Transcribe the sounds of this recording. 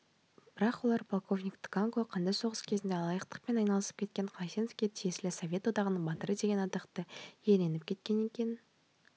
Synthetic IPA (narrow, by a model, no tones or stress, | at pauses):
b̥ɪɾɑqwo̞lˠɑɾpʰolˠko̞vnʲikt̪ʰɪ̥ɡaŋkoqʰɑnd̪ɑjso̞ʁəskʲʰe̞zɪnd̪e̞ɑlˠɑjəqt̪ə̥q̚pe̞nɑjnɑlˠəsə̥p̚kʲe̞t̪̚kʲe̞ɴqʰɑjsenofkʲet̪ʰijesɪlɪsovʲe̞t̪wo̞d̪ɑʁənəɴbɑt̪əɾəd̪e̞ɡʲe̞nɑd̪ɑqt̪əje̞le̞nɪp̚kʲe̞t̪̚kʲe̞ne̞kʲe̞n